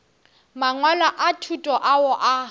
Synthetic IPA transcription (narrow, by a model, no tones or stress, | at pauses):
maŋwalaʔatʰutʼɔʔaʊʔa